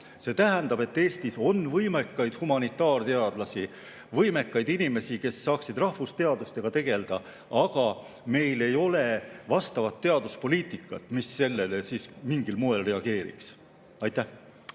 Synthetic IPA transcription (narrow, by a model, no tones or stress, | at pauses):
se̞ːt̪æɦænd̪̥ɑb̥e̞t̪ːe̞ːst̪iso̞nvɤjmekːɑjd̪̥humɑnit̪ːˑɑːrt̪eɑd̪̥lɑsi | vɤjme̞kːɑjd̪inime̞sike̞sːɑːksid̪̥rɑhfust̪e̞ɑd̪ust̪e̞ɡ̥ɑt̪e̞ɡ̥e̞ld̪̥ɑ | ɑɡ̥ɑ | me̞jle̞jo̞le̞vɑst̪ɑvɑt̪ːe̞ɑd̪uspo̞liːt̪ˑikːˑɑt̪ːˑmisːe̞lːe̞lesiːsmiŋɡilmoelre̞ɑɡ̥e̞ːɾḭks | ɑjt̪ːˑæh